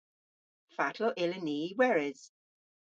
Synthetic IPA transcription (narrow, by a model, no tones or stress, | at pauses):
fatʰlɔʔɪləniːwɛɹɪz̥